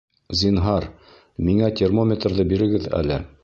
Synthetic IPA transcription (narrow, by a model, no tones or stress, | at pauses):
zʲinɦɑɾ | miŋæt̪ʲermomʲet̪rðɤbiɾɘ̆ɡɘðæ̰lɘ̰